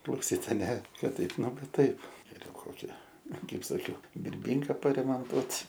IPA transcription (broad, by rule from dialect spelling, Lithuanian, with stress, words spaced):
klˠɐʊˈsʲiːt ɐˈnʲɛ ˈkɐt ˈtɐɪp ˈnʊ ˈʋɐ ˈtɐɪp ɡʲɛˈrʲɛʊ ˈkoːkʲɪ ˈkɐɪp sɐˈkʲɛʊ bʲɪrʲˈbʲiːŋkɑː pɐrʲɛmoːnˈtuɔtʲ